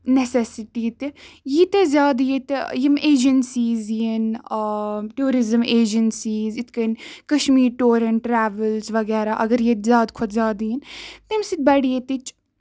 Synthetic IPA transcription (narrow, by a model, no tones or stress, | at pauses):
nɛsɛsɪʈiːt̪jit̪ezjaːd̪jet̪jimeːd͡ʒənsiːzjin | ʈuːɾɪzəmeːd͡ʒənsiːzɪt̪ʰkɐnkɐʃmiːɾʈoːɾɐɳʈːɾɛːʋəlzʋɐɣɛːɾaʔɐɡəɾjet̪zjaːd̪kʰʊt̪zʲjaːd̪jint̪emsit̪̚bɐɽet̪it͡ʃ